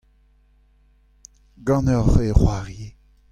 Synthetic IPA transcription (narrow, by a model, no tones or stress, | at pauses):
ɡɑ̃nœʁveʁwaʁje